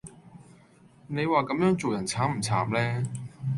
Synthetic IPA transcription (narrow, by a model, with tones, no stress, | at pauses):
ne˨˧jwaː˨kɐ˨˥mjœː˨˥ŋt͡so˨wjɐ˨˩nt͡sʰaː˨˥ŋm̩˨˩t͡sʰa̰ː˨˩p̚lɛː˥